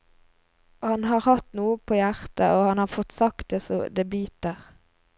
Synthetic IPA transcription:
hɑnɦɑːʁhɑt̪nuːəpʰoːjæʁt̪əʔoːhɑnhɑːʁfɔt̪sɑkt̪̚d̪eːsɔd̪ebyːt̪əʁ

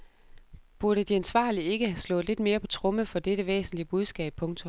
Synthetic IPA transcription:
b̥uɐɾəd̥iænsʋɑ̰̈ːlie̝ɡ̥əhæslɔ̽ːð̩ˠle̝d̥me̝ːɐpʰɒ̽t͡sʰʁɔ̽məfɒ̽d̥eɾəʋḛːsn̩liəb̥uð̞ˠsɡ̥ɛ̰ːb̥̚pʰɔ̽ŋt͡sʰo̽m

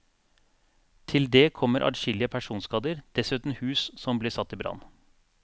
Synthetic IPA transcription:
t̪ʰɪld̪eːkʰɔmːəɾʔɑ̰ɾʃɪlɪəpʰæʂuːnskɑːd̪əɾd̪̥ɛsʉːt̪n̩hʉːssɔmbliːsɑt̪ːiːbɾɑ̰n

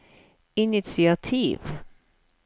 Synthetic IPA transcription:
ɪnɪt̪sɪat̪ʰiːv

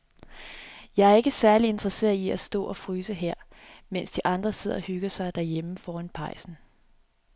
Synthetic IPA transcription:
jɑ̈ɪæɐe̝ɡ̥əsæɐlie̝nd̥ʁɐse̝̰ːɐiæsd̥ɔ̰̽ːɒ̽fʁyːsəɦeɐ̰ | men̰sd̥iʔɑ̈nd̥ʁɐse̝ð̰ˠɒhyɡ̥ɐsɑ̈ɪd̥æɐjeməfɒːænpʰɑ̈ɪ̰sn̩

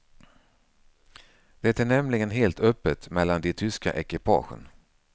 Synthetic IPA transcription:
d̪̥ɛt̪æɳɛmlɪɡənɦeːlt̪ʰœpːət̪mɛlːand̪ɪt̪ʰʏska̰ʔɛkɪpʰɑ̰ːɧə̰n

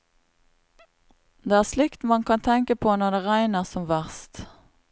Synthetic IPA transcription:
d̪eːæːʁslɪkt̪mɑnkʰɑnt̪ʰɛŋkəpʰoːnɔd̪eːʁæɪnəʁsɔmʋæʁst̪

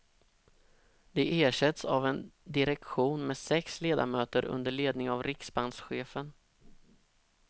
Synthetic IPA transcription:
d̪̥ɛʔeːʂɛt̪savɛnd̪ɪɾɛkɧuːnmɛːsɛksleːd̪a̰ɾmøːt̪əɾɵ̰nd̪əɭeːd̪nɪŋavɾɪksband̪sɧeːfən

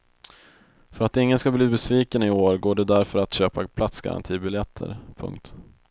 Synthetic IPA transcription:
fœɾat̪ɪŋːənskabliːbɛsviːkənɪoːɾɡoːɖɛd̪æɾfœɾat̪ɕøːpapʰlat̪sɡa̰ɾa̰nt̪ʰiːbɪljɛt̪ʰːə̰ɾpʰɵ̰ŋkt̪

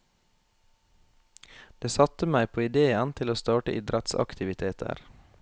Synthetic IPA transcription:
d̪̥eːsɑt̪əmæɪpʰoːɪd̪eːənt̪ʰɪloːst̪ɑːʈə̰ʔɪd̪ɾət̪sɑ̰kt̪ɪʋɪt̪ʰeːt̪ʰə̰ɾ

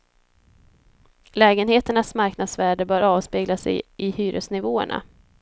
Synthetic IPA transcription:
lɛːɡənheːt̪əɳasmaɾknad̪svæːɖəbœːɾɑːvspeːɡlasɛ̰jʔɪhyːɾə̰snɪvoːə̰ɳa̰

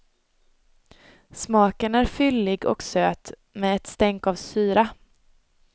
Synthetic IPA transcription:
smɑːkənæɾfʏlːɪɡɔ̰ksøːt̪ | mɛːɛt̪st̪ɛŋkavsyːɾa

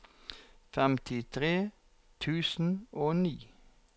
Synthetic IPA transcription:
fɛmt̪ʰɪt̪ʰʁeː | t̪ʰʉːsn̩oːniː

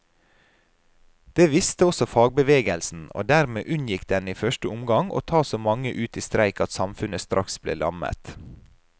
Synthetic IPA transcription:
d̪̥eːʋɪst̪əɔsɔfɑːɡ̚bəʋeːɡəlsn̩o̰ːd̪æɾmeːʔʉnjɪkd̪ɛniːfœʃʈəʊmɡɑŋʔo̰ːt̪ʰɑːsoːmɑŋəʔʉːt̪iːst̪ɾæɪkɑt̪sɑmfʉnəst̪ɾʔɑksblḛːlɑ̰mə̰t̪

